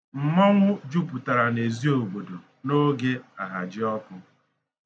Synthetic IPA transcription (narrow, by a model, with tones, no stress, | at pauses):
m̩˨mɔ˦ŋʷʊ˦d͡ʒu˦pu˨ta˨ɾa˨ne˨zi˦o˨bo˨do˨ | no˦ɡe˦a˨ɦa˨d͡ʒɪ˦ɔ˦kʊ˦